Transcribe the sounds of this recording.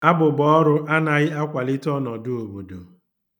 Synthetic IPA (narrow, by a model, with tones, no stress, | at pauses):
a˦bʊ˨bɔ˦ɔ˦ɾʊ˦ʔa˦na˨ɣɪ˦a˦kʷa˨lɪ˦tɔ˦nɔ˨dʊ˦o˨bo˨do̰˨